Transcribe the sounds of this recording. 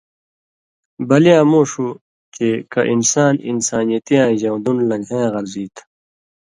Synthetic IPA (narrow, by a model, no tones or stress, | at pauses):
bɐlijãːmoːʂu | kekɐʔinsaːninsaːnijɐt̪ijãːʑãːw̃d̪unlɐ̃ŋɦẽːɣɐɾziːt̪ʰ